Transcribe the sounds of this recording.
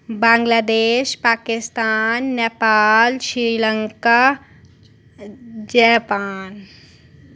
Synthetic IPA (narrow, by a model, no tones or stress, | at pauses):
bãːŋɡlaːd̪eːʃpaːkɪst̪aːnːeːpaːlʃɾiːlə̃ŋka | d͡ʒɛːpaːn